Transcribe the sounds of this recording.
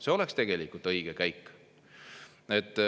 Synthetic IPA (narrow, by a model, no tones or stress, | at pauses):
se̞o̞lekst̪e̞ɡ̥e̞likult̪ɤjɡ̥ekæjkː | et̪ːˑ